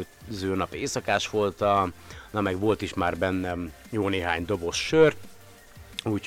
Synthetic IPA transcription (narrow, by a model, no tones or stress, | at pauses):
zøːnɒpeːsɒkaːʃʋo̞lt̪ɒnɒmɛɡʋo̞lt̪iʃmaːrbɛnːɛ | joːneːɦaːɲd̪o̞bo̞ʃːøːr | uːc